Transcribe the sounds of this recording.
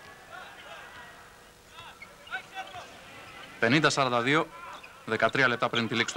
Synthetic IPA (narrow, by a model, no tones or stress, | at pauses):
pe̞nind̪ɐsɐɾɐnd̪ɐðio̞ | ðe̞kɐt̪ɾiɐle̞p̚t̪ɐpɾint̪ilikst̪